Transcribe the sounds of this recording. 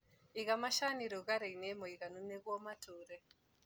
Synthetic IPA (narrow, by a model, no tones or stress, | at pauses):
iɣamaʃaniɾoɣaɾeinemɔiɣanuneɣwɔmatuɾɛ